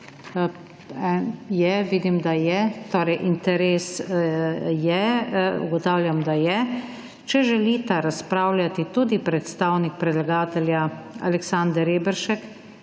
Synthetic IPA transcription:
ɛnjɛʋiːd̪imd̪ajɛt̪oːɾɛjʔint̪ɛɾeːs | jɛṵɡɔt̪aːwlʲjamd̪ajɛ | t͡ʃɛʒɛliːt̪aɾaspɾaːwlʲjat̪it̪uːd̪ipɾɛt̪st̪aːwnik̚pɾɛd̪laɡaːt̪ɛljaa̰lɛksãnd̪ɛɾeːbɛɾʃɛk

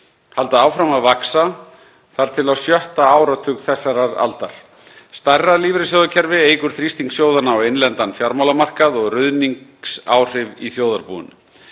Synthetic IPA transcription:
halt̪aaːwfɾamaðvaksa | θaɾ̥t̪ʰɪlawsjœht̪aaːwɾat̪ʰʏkθɛsːaɾaɾa̰lt̪aɾ̥ | st̪arːaliːvɾɪsjoːwðacʰɛɾvɪeːjkʏɾ̥θɾist̪iŋksjoːwðanːaɔwejnlɛnt̪anfjaɾmawlamar̥kaðɔɣrʏðniŋsa̰ːwr̥ɪviθjoːwðaɾpṵʏ̰n

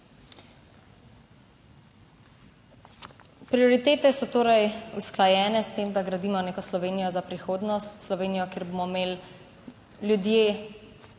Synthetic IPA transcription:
pɾioɾit̪eːt̪ɛsɔt̪oːɾajusklajɛːnɛst̪eːmd̪aɡɾad̪iːmɔneːkɔslɔʋeːnijɔzapɾixoːd̪nɔst̪slɔʋeːnijɔkeːɾboːmɔmeːl | ljud̪jeː

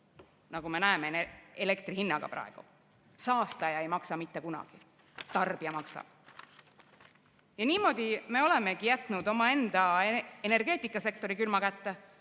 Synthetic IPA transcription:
nɑɡume̞næemeele̞k̚t̪rihinːɑɡ̥ɑ̰prɑ̰eɡ̥u | sɑːst̪ɑjɑe̞jmɑksɑmit̪ːe̞kunɑ̰ɡ̥i | t̪ɑrb̥iɑmɑksɑ̰̥ | jɑniːmo̞d̪̥ime̞o̞le̞me̞ɡijæt̪ːˑnud̪o̞mɑe̞nd̪̥ɑene̞rɡ̥e̞ːt̪ːˑikːˑɑse̞k̚t̪o̞ɾikylmɑkæt̪ːe

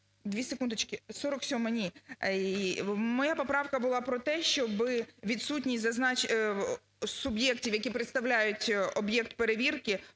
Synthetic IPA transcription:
d̪ʲʋʲisekund̪ɔt͡ʃkʲɪsɔɾɔksʲɔmɐnʲi | mɔjapɔpɾɑwkɐbʊlˠɑpɾɔt̪ɛʃt͡ʃɔbɪʋʲid̪sutʲnʲisʲzɐznɑt͡ʃ | sʊbjɛktʲiwjɐkʲipɾet̪st̪ɐwlʲajʊtʲɔbjɛk̚t̪̚pe̞ɾeʋʲirkɪ

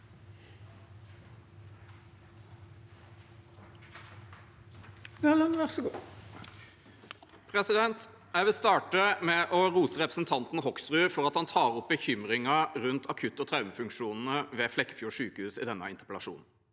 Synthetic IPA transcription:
lənʋæʁsɡuː | pʰɾɛsɪd̪ɛnt̪ | æɪʋɪlst̪ɑːʈəmɛːʔɔʁuːsəʁɛpɾəsnt̪ʰɑnt̪n̩hɔksʁʉːfɔʁɑt̪hɑnt̪ʰɑːʁɔp̚bəçʏmʁɪŋɑʁʉnt̪ʰɑkʰʉt̪ːɔt̪ʰɾɑʉməfʉŋkʂuːnn̩əʋeːflɛkːəfjuːʂʉːkəhʉːsɪd̪ɛnːə̰ɪnt̪ə̥pəɛlɑʂṵːnn̩

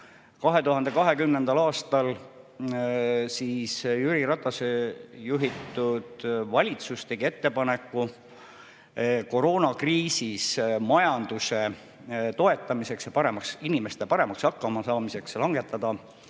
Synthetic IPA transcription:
kɑɦe̞t̪uɦɑnd̪e̞kɑɦe̞kymnend̪̥ɑlɑːst̪ɑl | siːsjyɾiɾɑt̪ːˑɑsejuɦit̪ːud̪̥vɑlʲit̪sust̪e̞ɡ̥ie̞t̪ːe̞pɑne̞kːˑu | ko̞ɾo̞ːnɑkriːsismɑjɑnd̪̥use̞ | t̪o̞e̞t̪ːˑɑmise̞ksjɑpɑɾe̞mɑksinime̞st̪epɑɾe̞mɑksɑkːɑmɑsɑːmise̞kslɑŋɡe̞t̪ːˑɑd̪ɑ

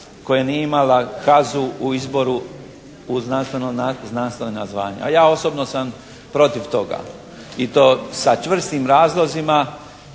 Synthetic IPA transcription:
ko̞jenieimalakazuuizbo̞ɾu | uznanst̪enoaznanst̪aʋenazʋaːɲḛa̰jaːo̞so̞bnosam | pɾo̞t̪iʋt̪o̞ɡa̰ | it̪o̞ːsat͡ʃʋr̩st̪imɾaːzlˠo̞zima

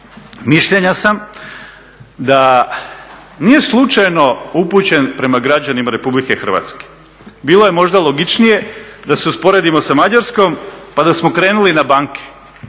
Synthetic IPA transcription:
miʃʎe̞ɲasam | d̪a | niːje̞slˠut͡ʃajno̞uput͡ɕe̞npɾe̞maɡɾad͡ʑanimaɾe̞publike̞xr̩ʋa̰t̪ske̥ | biːloje̞mo̞ʒd̪alˠo̞ɡit͡ʃnije̞d̪aseuspo̞ɾe̞d̪imo̞samad͡ʑaɾsko̞mpad̪asmo̞kɾeːnulinabaŋke̥

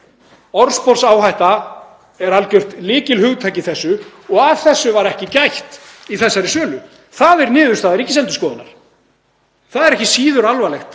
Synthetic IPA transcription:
ɔɾspɔrsaːwhajht̪a | ɛɾalcœr̥t̪lɪːcɪlhʏɣt̪ʰajcɪθɛsːʏɔɣavθɛsːʏvaɾɛhcɪcajht̪iθɛsːaɾɪsœːlʏ | θaðɛɾnɪːðʏɾst̪aːðɛɾiçcːɪsɛnt̪ʏ̥skɔːðʏna̰ɾ̥ | θaðɛɾɛhcɪsiːðʏɾalvalɛxt̪

